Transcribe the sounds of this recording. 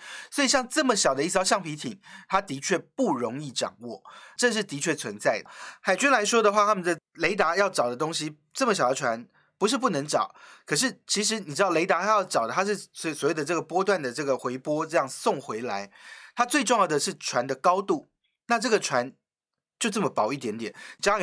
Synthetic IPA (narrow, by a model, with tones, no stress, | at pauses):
swɔ˧˥i˨˩ɕ̬jɑ˥˧ŋʈ͡ʂɤ˥˩mə˩ɕjɑ˨˩d̪ə˦i˥˩s̬ɑ˥ʊɕjɑ˥˩ŋpʰi˧˥t̪ʰḭ˨˩ŋt̪ʰa˥t̪i˧˥t͡ɕʰɥɛ˥˧pu˥˩ɻo˧˥ŋi˥˩ʈ͡ʂɑ̰˨˩ŋwɔ˥˩ʈ͡ʂɤ˥˧ʂɻ̩˥˩t̪i˧˥t͡ɕʰɥɛ˥˩t͡sʰwə˧˥nt͡sa˥˩ɪd̪ə˩xa˨˩ɪt͡ɕy˥nla˧˥ɪʂwɔ˥d̪ə˨xwa˥˩t̪ʰa˥mə˨nd̪ə˧le˧˥ɪt̪a˧˥jɑ˥˩ʊʈ͡ʂɑ˨˩ʊd̪ə˦t̪o˥ŋɕi˨ | ʈ͡ʂɤ˥˩mə˩ɕjɑ˨˩ʊd̪ʈ͡ʂʰwa˧˦n | pu˧˥ʂ̬ɻ̩˥˧p̬u˥˩nɤ˧˥ŋʈ͡ʂɑ̰˨˩˦ʊkʰɤ˨˩ʂ̬ɻ̩˥˩t͡ɕʰi˧˥ʂ̬ɻ̩˧˥ni˨˩ʈ͡ʂɻ̩˥d̪ɑ˥˩le˧˥ɪt̪a˧˥xa˥jɑ˥˩ʊʈ͡ʂɑ˨˩ʊd̪ə˦a˥ʂɻ̩˥˩sswɔ˨˩we˥˩d̪ə˧ʈ͡ʂɤ˥˩ɡə˩pwɔ˥t̪̬wa˥˩nd̪ə˩ʈ͡ʂɤ˥˩ɡə˩xwe˧˥ɪpwɔ˥ʈ͡ʂɤ˥˧jɑ˥˩ŋsʊ˥˨˩ŋxwe˧˥ɪla˧˥ɪt̪ʰa˥t͡swe˥˧ɪʈ͡ʂʊ˥˧ŋjɑ˥˩d̪ə˩ʂɻ̩˥˩ʈ͡ʂʰwa˧˦nd̪ə˨kɑ˥ʊt̪u˥˩ | na˥˧ʈ͡ʂɤ˥˩ɡə˩ʈ͡ʂʰwa˧˦n | t͡ɕjo˥˧ʊʈ͡ʂɤ˥˩mə˩pɑ˨˩ʊi˥˩t̪jɛ˧˥nt̪jɛ˨˩nt͡ɕ